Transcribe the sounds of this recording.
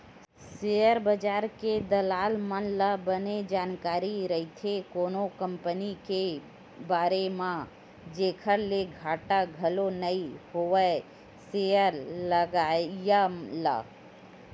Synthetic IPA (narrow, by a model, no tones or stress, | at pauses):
sejəɾbəd͡ʒaːɾked̪əlaːlmənləbəned͡ʒaːnkaːɾiɾəit̪ʰekoːnokəmpənike | baːɾemã | d͡ʒeːkʰəɾleɡʱaːʈaɡʱəlonəihoʋə | sejəɾləɡaːjala̰ː